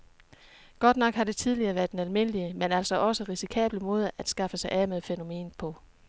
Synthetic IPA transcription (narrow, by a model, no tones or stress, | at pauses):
ɡ̥ɒ̽d̥nɒ̽ɡ̥hɑ̈d̥e̝t͡sʰið̞ˠliɐːʋæɐd̥enælme̝nəliəmenæl̰sɒ̽ʔɒ̽səʁisikʰɛ̰ːb̥ləmo̝ːð̞ˠæd̥sɡ̥ɑ̈fəsɑ̈ɪʔæmeð̩ˠfeno̝me̝̰ːnpʰɒ̽